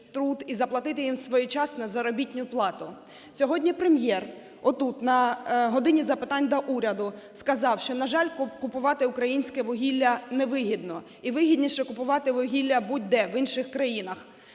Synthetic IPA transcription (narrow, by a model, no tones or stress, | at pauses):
t̪ɾud̪izɐplˠɐt̪ɪt̪ɪjimsʋɔjit͡ʃɑsnɐzɐɾɔbʲitʲnʲʊplˠɑt̪ʊ | sʲɔɦɔdʲnʲipɾemjɛr | ɔt̪ut̪nɐɦɔd̪ɪnʲizɐpɪt̪ɑnʲd̪ɔʔuɾʲɐd̪ʊ | skɐzɑwʃt͡ʃɔnɐʒɑlʲkʊkʊpʊʋɑt̪ɪʊkɾɐjinʲsʲkɛʋɔɦʲilʲːɐnɛʋɪɦʲid̪nɔ | iʋɪɦʲidʲnʲiʃt͡ʃɔkʊpʊʋɑt̪ɪʋɔɦʲilʲːɐbud̚ʲd̪ɛʋɪnʃɪxkɾɐjinɐx